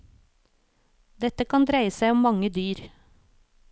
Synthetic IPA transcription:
d̪ɛt̪əkʰɑnd̪ɾæɪəsæɪɔmmɑŋəd̪yːɾ

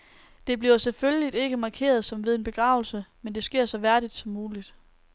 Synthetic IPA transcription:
d̥e̝b̥liɐselføljəlid̥e̝ɡ̥əmɑ̈kʰe̝̰ːɐð̞ˠsɒ̽mʋeðˠe̝nb̥e̝ɡ̥ʁɑ̰̈ːʊl̩səmend̥e̝sɡ̥e̝ɐ̰sɒ̽ʋæɐɾ̥id̥sɒ̽mːuːlid̥

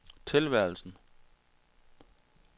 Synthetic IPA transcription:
t͡sʰe̝lʋæɐ̰l̩sn̩

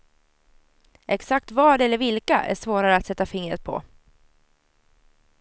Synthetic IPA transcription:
ʔɛksak̚t̪vɑːɖɛlːəɾvɪlkaʔæ̰ʂvoːɾaɾəat̪sɛt̪ːafɪŋɾə̰t̪̚pʰɔ̰

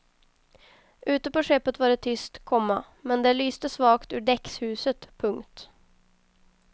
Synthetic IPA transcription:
ʔʉ̟ːt̪əpɔʂɛpːət̪vaːɖɛt̪ʰʏst̪kʰɔmːa | mɛnd̪ɛlyːst̪əsvɑːkt̪ʉːɖɛkshʉ̟ːsət̪pʰɵŋkt̪

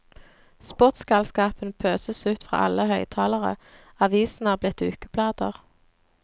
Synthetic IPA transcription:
spʊʁt̪skɑlskɑːpənpʰøːsəsʉːt̪fʁɑ̰ːʔɑ̰ləhœʏt̪ʰɑːləʁə̰ | ɑʋiːsn̩æːʁblɪt̪ʉːkəb̥ʰlɑːd̪əʁ

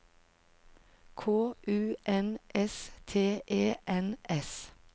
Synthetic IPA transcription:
kʰoːʔʉːʔɛnʔɛst̪ʰeːʔeːʔɛnɛs

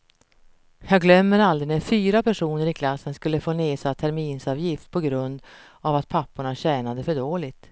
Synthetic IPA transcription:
jɑːɡlœmːəɾald̪ɾɪnefyːɾapæʂuːnəɾɪkʰlasːənskɵlːəfoːneːsat̪ʰæɾmiːnsɑːvjɪft̪̚pʰɔɡɾɵnd̪ | avat̪̚pʰapːʊɳaɕɛːnad̪əfœɖoːlɪt̪

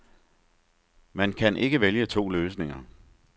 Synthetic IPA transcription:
mænkʰænʔe̝ɡ̥əʋeljət͡sʰo̝̰ːløːsne̝ŋɐ

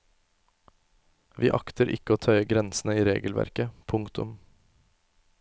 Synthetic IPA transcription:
ʋʔḭːʔɑkt̪əɾʔɪ̰kəoːt̪ʰœʏəɡɾɛnsn̩əiːɾḛːɡəlʋæ̰ɾkəpʰʊŋkt̪ʊ̰m

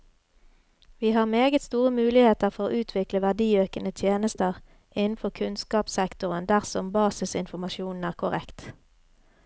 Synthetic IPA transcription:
ʋiːhɑːʁmeːɡət̪st̪uːʁəmʉːlɪheːt̪əʁfɔʁoːʔʉːt̪ʰʋɪkləʋæʁd̪iːøːkənət̪ʰjeːnəst̪əʁ | ʔɪnn̩fɔʁkʰʉnskɑːpsɛkt̪ʊʁənd̪æʁsɔmbɑːsɪsɪnfɔmɑʃjuːnn̩æːʁkʰʊʁɛ̰kt̪

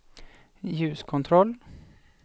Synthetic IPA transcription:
jʉːskʰʊnt̪ʰɾɔl

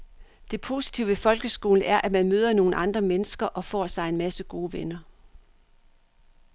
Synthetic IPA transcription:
d̥e̝pʰo̝ːsi̥t͡sʰiʊʋefɒ̽lɡ̥əsɡ̥o̝̰ːln̩æɐʔæmænmøːð̞ˠɐno̝ːn̩ʔɑ̈nd̥ʁɐmenəsɡ̥ɐʔɒ̽fɒ̰ːsɑ̈ɪe̝nmæsəɡ̥o̝ːʋenɐ

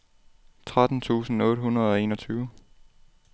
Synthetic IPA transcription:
t͡sʰʁad̥n̩t͡sʰṵːsn̩ɔ̽ːɾ̥ɦunʁɐð̞ˠɒ̽e̝̰ːnɒt͡sʰyːʊ

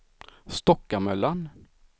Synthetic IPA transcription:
st̪ɔkːamœlːan

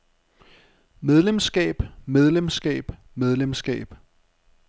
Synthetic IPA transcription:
með̞ˠlemsɡ̥ɛ̰ːb̥með̞ˠlemsɡ̥ɛ̰ːb̥ | með̞ˠlemsɡ̥ɛ̰ːb̥

